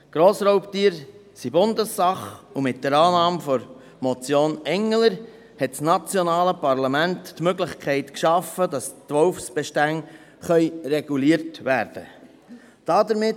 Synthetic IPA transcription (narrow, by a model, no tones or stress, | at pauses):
ɡ̥ɾoːsɾɔʊptiːɾsibʊndəsːɑχumɪt̚dəɾɑːnɑːmfɔɾ | mɔt͡sjoːnɛŋːələɾ | hɛtsnɑt͡sjɔnɑːləpɑɾlɑmæntːmøɡlɪχkʰɛɪtkʃɑfədɑstʋɔʊfsb̥ɛʃtæŋ | χœʏrɛɡ̥uliəɾtʋæːɾd̥ə̰ | d̥ɑdəɾmɪ